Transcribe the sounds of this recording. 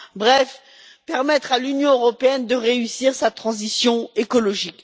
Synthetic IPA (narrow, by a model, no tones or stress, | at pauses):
bʁɛf | pɛʁmɛt̪χalynjɔ̃øʁɔpeɛnd̪əʁeysiʁsat̪χɑ̃zisjɔ̃ekɔlɔʒik